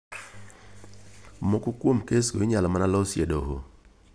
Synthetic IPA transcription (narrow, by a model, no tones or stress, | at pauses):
mokokwomkesɡoɪɲalɔmanalɔsjedoɦo̰